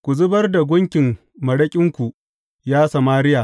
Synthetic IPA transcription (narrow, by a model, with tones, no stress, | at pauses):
kʷu˨zʊ˦bɐ˦rda˨ɡʷʊ˦ŋkʲɪ˨mː | ɐ˨ɽɐ˦kʲʼɪ˦ŋkʷu˨ | jaː˦sa˨maː˦ɾɪ˦jaː˨